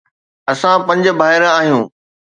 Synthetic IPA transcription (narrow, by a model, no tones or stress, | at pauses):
ɐsãpɐ̃ɲd͡ʑbʱaːɪɾaːɦijũː